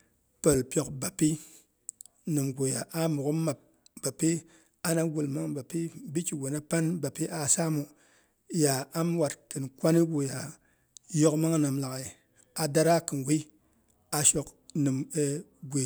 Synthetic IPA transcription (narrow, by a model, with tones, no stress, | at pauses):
pə˨lpjo˨kba˨pi˦ | nɨ˨mɡo˨ja˨ʔa˦mu˨ku˦ma˨p̚ | b̥a˨pi˦ | a˨na˦ɡu˨lma˦ŋba˨pi˦bi˦ki˨ɡʷo˨na˦pa˦nba˨pi˦ʔa˨sa˦mu˨ | ja˨a˦m˦wa˨tkɨ˨nkʷa˦ni˦ɡo˨ja˨ | jo˦kma˦ŋ˨nɨ˨mla˨ka˨ | a˨da˦ɾa˦kɨ˨nɡi˦ | a˨ʃo˨k | nɨ˨me˨ɡʷe˨